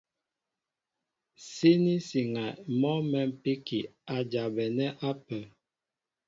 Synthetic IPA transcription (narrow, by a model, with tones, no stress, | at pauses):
se˦ni˦si˨ŋa˨mɔ˦mɛ˦m˨pi˦ki˨a˨d͡ʒa˨bɛ˨nɛ˦ʔa˦pə˨